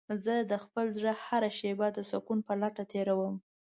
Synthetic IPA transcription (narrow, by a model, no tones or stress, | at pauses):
zəd̪əxpəlzɽəhaɾaʃebad̪əsʊkunpəlaʈat̪ʰeɾawəm